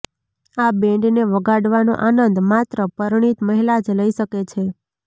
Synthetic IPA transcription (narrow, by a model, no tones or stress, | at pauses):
abɛ̃ɳɖneʋəɡaɽʋano̰ʔanənd̪mat̪ɾəpəɾɳ̃it̪məɦilad͡ʒləiʃəket͡ʃʰe